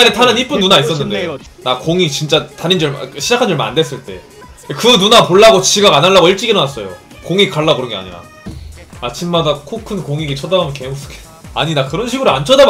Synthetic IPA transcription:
anetʰanɯnip͈ɯnːunais͈ʌnːɯnde̞ | nakoŋit͡ɕint͡ɕ͈ataɾind͡ʑʌɭɕʰid͡ʑakʰand͡ʑʌɭmna̰ndwe̞s͈ɯɭt͈e̞̰ | kɯnunapoɭːaɡot͡ɕʰiɡaɡanaɭːaɡoiɭt͡ɕ͈iɡiɾʌnas͈ʌjo̰ | koŋik͈aɭːakɯɾʌŋɡea̰ɲiɾa̰ | at͡ɕʰimːadakʰokʰɯnkoŋiɡit͡ɕʰʌdabamʌnkeos͈ɯ̥ɡe | a̰ɲinakɯɾʌnɕ̬ʰiɡɯɾuant͡ɕʰʌda

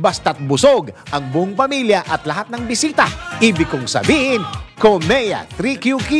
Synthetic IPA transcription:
bɐst̪ɐt̪̚bʊsoɡʔɐŋbʊʔʊŋpɐmiljɐʔɐt̪lɐhat̪̚nɐŋbɪsiːt̪ɐʔiːbɪkʊŋsɐ̰biːhɪnkomɛjɐ̰t̪ɾikjuki

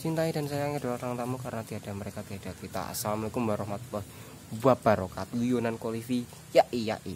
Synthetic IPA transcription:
t͡ʃint̪aida̤nsajaŋədalat̪aŋt̪amukaɾənat̪iɦad̥a̤məɾekat̪iɦad̥akit̪a̰a̰samlikumbaɾɔɦmat̪̚pəh | buab̥a̤ɾokat̪ujonankolifi | jaʔija̰ʔḭ

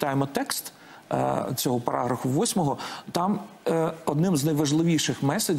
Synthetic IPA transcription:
t̪ɑjemɔt̪ɛkst̪ | t͡sʲɔɦɔpɐɾʔɑ̰ɦɾɐfʊʋɔsʲmɔɦɔt̪ɑm | ɔd̪nɪmznɐjʋɐʒlˠɪʋʲiʃɪxmɛsɐ

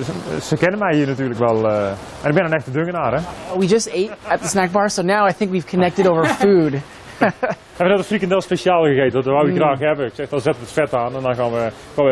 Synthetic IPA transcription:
səkɛnənmɛjiːənatyːləkʋɛlˠ | ɛnɪk̚bɛndənɛxtədøŋənaːɾɛwid͡ʒʌsteɪɾət̪̚ðəsnæk̚b̥ɑɹsoʊnaʊaɪθɪ̃ŋkwiv̥kʰənɛk̚tɨɾoʊvə˞fud | hɛəʋənɛtəfrikəndɛlˠspeʃjaːlˠɣəɣeːtənɔtəʋawiɡraːxhɛbəɪksɛxdɔzɛtəətfɛtaːnɛndɔnɣaːnʋə | kɔə

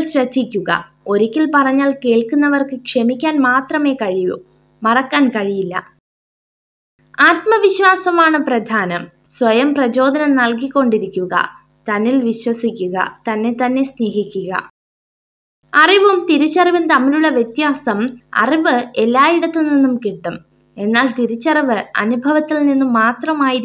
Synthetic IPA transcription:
lɕɾɐd̪ʱːikʲːuɣɐ̰ | o̞ɾikʲːilpɐrɐɲːaːlke̞ːɭkunːɐʋɐrkɨkʂemikʲːaːnmaːt̪rɐme̞ːkɐɻijṵ | mɐrɐkːaːnkɐɻijilːɐ̰ | aːt̪mɐʋiɕʋaːsɐmaːɳɨprɐd̪ʱaːnɐm | sʋɐjɐmprɐt͡ɕo̞ːd̪ʱɐnɐmnɐlkikːo̞ɳɖiɾikʲːuɣɐ̰ | t̪ɐnːilʋiɕwɐsikʲːuɣɐ̰t̪ɐnːe̞t̪ɐnːe̞sne̞ːɦikʲːuɣɐ̰ | ɐriʋɐmt̪iɾut͡ɕːɐriʋɨnt̪ɐmːiluɭːɐʋjet̪jaːsɐmɐ̰riʋɨe̞lːaːjiɽɐt̪ːɨninːumkiʈːum | e̞nːaːlt̪iɾut͡ɕːɐrɐʋɨɐ̰nubʱɐʋɐt̪ːilninːumːaːt̪rɐmaːjiɾ

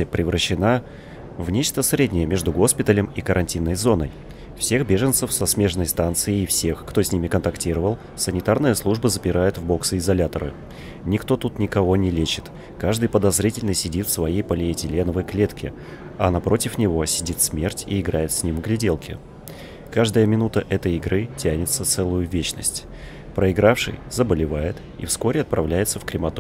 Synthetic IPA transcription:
əpɾʲɪvɾəɕːɪna | vnʲet͡ɕt̪əsɾʲedʲnʲɪjəmʲe̞ʐd̪ʊɡo̞spʲɪt̪əlʲɪmikəɾʔɐnʲtʲinːəjzo̞nə̰j | fsʲe̞xbʲe̞ʐɨnt̪səfsɐsmʲe̞ʂnəjst̪ant̪sɨɪːfsʲe̞xkt̪osʲnʲimʲɪkənt̪ɐktʲiɾəvəlˠ | sənʲɪt̪arnɨjəslˠuʐbəzəpʲɪɾajɪt̪vbo̞ksɨɪzɐlʲat̪əɾɨ̰ | nʲɪkt̪o̞t̪ut̪nʲɪkɐvo̞nʲɪlʲet͡ɕɪ̥t̪ | kaʐd̪ɨjpəd̪ɐzɾʲitʲɪlʲnɨsʲɪdʲit̪fsvɐjejpɐlʲejtʲɪlʲenəvəjklʲe̞t̪kʲɪ | ɐnɐpɾʔo̞tʲɪfnʲɪvo̞sʲɪdʲit̪smʲe̞rtʲḭɪɡɾajɪt̪sʲnʲimɡlʲɪdʲelˠkʲɪ̰ | kaʐd̪əjəmʲɪnut̪əʔɛt̪əjɪɡɾɨtʲænʲɪt̪sət̪sɛlˠʊjʊvʲet͡ɕnə̰sʲtʲ | pɾəɪɡɾafʂɨ̰jzəbəlʲɪvajɪt̪ | ḭfsko̞ɾʲɪɐt̪̚pɾɐvlʲæjɪt̪səfkɾʲɪmɐt̪o

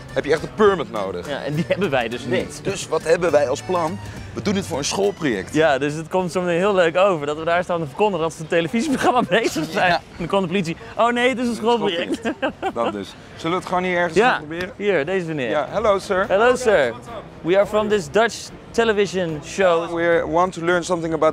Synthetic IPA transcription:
ɦɛpjəɛχtəpøɹmətno̰wdə̰χja̰ʔɛ̰̃ndiɦɛbə̃nʋɛjdøsnitd̥ɵsʋɑtɦɛbənʋɛjɑlˠsplɑn | ʋədunətfʊːɹənsχolˠprojɛ̰ktjadøsətkɔmtsɔmətɪ̃ŋɦɪːlˠløɥkowvəɹdɑtʋədaːɹstaːntəfəɹkɔndəɾəɑlˠsəəteləviziproχrɑmabejzəχsɛj | ndəkɔ̃ndəpolitsi | ʔownejətɪs̬ənsχolˠp̬ojɛk̚tdtɪs | sɵləʋətχonɦiɛɹχən̩japobɪːɾəɦiɹdeɪzəʋənɪɦɛloʊsɜɹhɛloʊsɜɹ | wiəɹfɹɔ̃mdɪsdʌt͡ʃ | tɛləvɪʃə̃nʃoʊwiwɑ̃ntulɜɹnsʌ̃mθɪ̃ŋəbat

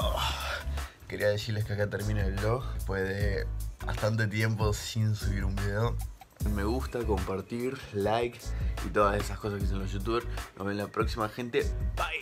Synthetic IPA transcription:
o | keɾiað̞e̞siɾle̞skeakat̪eɾmineeβloɣpweðeβa̰st̪ant̪̬et̪̬je̞mpo̞sinsuβiɾumbiðeo | me̞ɣust̪ako̞mpaɾt̪iɾlajkḭt̪o̞ðasesahko̞saskes̬enlosjut̪uβeɾsnʔoɦβenlapɾoksimaxent̪epaj

